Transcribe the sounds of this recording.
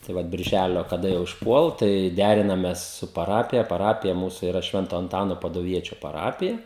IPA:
tɐɪ ˈʋɐt bʲɪrʲˈʒʲælʲoː kɐˈdɐ jɛʊ ɪʃˈpuɔlˠ tɐɪ ˈdʲærʲɪnɐmʲɛs sʊ pɐˈrɑːpʲɪjɛ pɐˈrɑːpʲɪjɛ ˈmuːsʊ ɪˈrɐ ˈʃʲʋʲɛntoː ɐnˈtɑːnoː pɐdʊˈʋʲiɛt͡ʃʲoː pɐˈrɑːpʲɪjɛ

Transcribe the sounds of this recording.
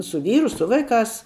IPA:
sʊ ˈʋʲiːrʊ ˈsʊ ʋɐɪˌkɑːs

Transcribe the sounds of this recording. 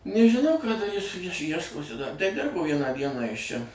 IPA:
nʲɛʒʲɪˈnɐʊ kɐ dɐˈrʲiːs ˈjiɛʃ ˈjiɛʃkoːsʲɪ dɐ ˈdʲɪrboː ˈʋʲiɛnɑː ˈdʲiɛnɑː ˈjɪs ˈt͡ʃʲɛ

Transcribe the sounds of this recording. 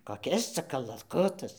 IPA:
koːˈkʲɪs ˈt͡sɐ kɐlˠɐˈkʊtɐs

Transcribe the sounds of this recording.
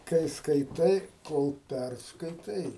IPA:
kɐɪ skɐɪˈtɐɪ ˈkoːlˠ ˈpʲærskɐɪtɐɪ

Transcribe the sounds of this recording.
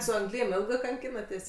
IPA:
sʊ ɐŋɡˈlʲiːm ˈeːlˠɡɜ kɐŋʲˈkʲiːnɐtʲeːsʲ

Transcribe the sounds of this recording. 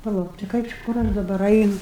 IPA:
pɐˈlˠɐʊk tɐɪ ˈkɐɪp t͡ʃʲɪ ˈkʊr ɐʃ dɐˈbɐr ˈɐɪnʊ

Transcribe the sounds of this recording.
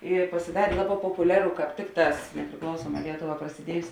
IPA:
ɪ pɐsʲɪˈdɑːrʲeː ˈlˠɑːˌbɑː poːpʊˈlʲæːrʊ kɑːp ˈtʲɪkˌtɑːs nʲɛpʲrʲɪˈklˠɐʊsuɔˌmɑː ˈlʲiɛtoːˌʋɑː prɐsʲɪˈdʲiɛjʊs

